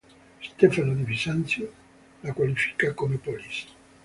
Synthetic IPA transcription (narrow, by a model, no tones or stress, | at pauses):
st̪efanod̪ivisant̪sjo | lakwalifi̥kakomepɔlis